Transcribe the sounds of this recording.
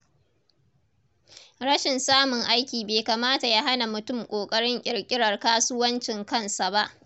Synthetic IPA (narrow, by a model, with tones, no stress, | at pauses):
ɽɐ˦ʃɪ˨nsaː˦mʊ˨ŋʔa˦jkʲiː˨beː˨kaː˨maː˦ta˨ja˦ɦa˦na˨mʊ˨tʊ˦˨mkʷʼoː˨kʼɐ˦ɽɪ˦ŋʔʲʼɪ˨ɽkʲʼɪ˦ɽɐ˨rkaː˦sʊ˦wɐ˦nt͡ʃɪ˨ŋkɐ˦nsa˨ba˦ʔ